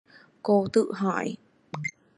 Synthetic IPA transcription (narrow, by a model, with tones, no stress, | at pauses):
ko˧t̪ɨ˦˧ʔɦã˧ḭ